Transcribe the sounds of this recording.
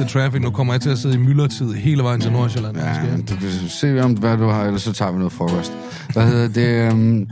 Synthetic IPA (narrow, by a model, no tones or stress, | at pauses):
t͡sʰʁæfiɡ̥nukʰɒ̽m̰ɐjɑ̈t͡sʰe̝læse̝ð̩̰ˠimylɐt͡sʰiðˠɦe̝̰ːləʋɑ̈ɪ̰nt͡sʰelnoɐɕelææed̥ekʰæse̝̰ːɒmʋæd̥uhɑ̈elɐsɒ̽t͡sʰɑ̰̈ːʋinɔ̽ːð̩ˠfɒːkʰɒsd̥ | ʋæhe̝ð̰ˠɐd̥e̝m